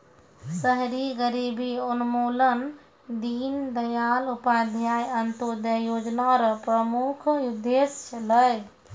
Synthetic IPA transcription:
səɦɾiɡəɾibʱiunumolən | d̪ind̪əjalupad̪ʱjajənt̪od̪əjod͡ʒnaɾpɾəmukʰjud̪ʱːest͡ʃʰələj

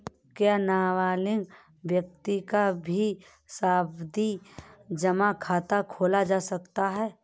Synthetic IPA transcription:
kjaːnaːwaːlɪ̃ŋɡ | bjək̚t̪ikabʱi | saːbd̪id͡ʒəmakʰaːt̪akʰoːlad͡ʒaːsəkt̪aɦɛː

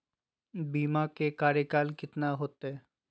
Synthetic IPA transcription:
bimakekaɾekalkit̪naɦot̪ːe

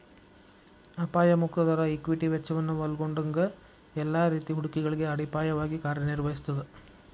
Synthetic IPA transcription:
ɐpaːjɐmukt̪ɐd̪ɐɾɐikʋiʈiʋɛt͡ʃːɐʋɐnːuʋɐlɡoɳɖɐŋɡɐ | ɛlːaːɾiːt̪iɦuɽukiɡɐɭiɡe̞ɐɽipaːjɐʋaːɡikaːɾjɐniɾʋɐɦisu̥t̪ːɐd̪e

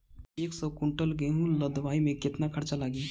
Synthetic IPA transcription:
eːksɔkʊ̃ɳʈəlɡẽɦũləd̪ʋaːimẽkɪt̪nakʰɐɾt͡ʃalaːɡiː

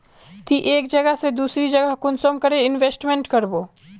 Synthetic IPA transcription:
t̪iʔeːkd͡ʒɐɡəɦsed̪uːsɾid͡ʒɐɡəɦkʊnsomkəɾeɪnʋeːsʈmẽɳʈkɐɾboː

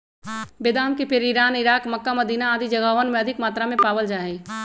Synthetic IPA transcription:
bed̪aːmkepeɾɪɾaːnɪɾaːkmɐkːaməd̪iːnaːd̪id͡ʒɐɡaːʋənmẽɐd̪ʱɪkmaːt̪ɾamẽpaːwəld͡ʒaːɦẽː

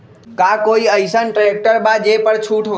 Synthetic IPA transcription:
kakoiəɪsənʈɾek̚ʈəɾbad͡ʒepəɾt͡ʃʰuʈʰo

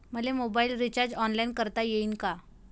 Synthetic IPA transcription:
m̤əlemobailɾit͡ɕaɾd͡ʑɔnlainkəɾt̪ajeiːnka

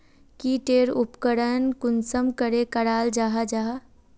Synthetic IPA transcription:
kiʈeːɾupkəɽənkʊnsəmkəɾekəɽaːld͡ʒaːɦad͡ʒaːɦa

